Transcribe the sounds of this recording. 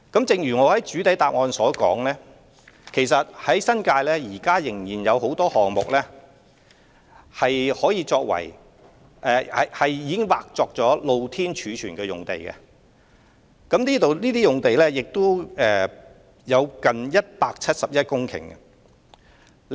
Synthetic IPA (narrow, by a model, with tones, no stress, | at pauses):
kɐ˨˥mt͡sɪ˨˧ŋɥyː˨˩ŋɔː˨˧hɐ˨˥jt͡ʃyː˨˥t̪ɐ˨˥jt̪aː˨p̚ŋɔː˧nsɔː˨˥kɔ̰ː˨˥ŋlɛː˥ | kʰe˨˩jsɐ˨t̚hɐ˨˥jsɐ˥nkaː˧jlɛː˥jiː˨˩kaː˥jɪ˨˩ŋjiː˨˩njɐ˨˧who˨˥wt̪ɔː˥hɔː˨ŋmʊ̰˨k̚lɛː˥ | hɐ˨jhɔː˨˥jiː˨˧t͡sɔː˧k̚wɐ̰˨˩j | ʔɛ˧ɐ̰˨hɐ˨jjiː˧kɪ˥ŋwa̰ː˨k̚t͡sɔː˧k̚t͡sɔː˨˥lo˧wt̪ʰiː˥nt͡ʃʰyː˨˧t͡ʃʰyː˨˩nkɛː˧jʊ̰˨ŋt̪e˨jkɛ̰˧ | kɐ˨˥mniː˥t̪o˨wniː˥t̪iː˥jʊ˨ŋt̪e˨jlɛː˥jɪ˨k̚t̪o˥wɛː˨˧ | jɐ˨˧wkɐ˨njɐ˥t̚paː˧k̚t͡sʰɐ˥t̚sɐ˨p̚jɐ˥t̚kʊ˥ŋkʰɪ̰˨˩ŋɡɐ̰˧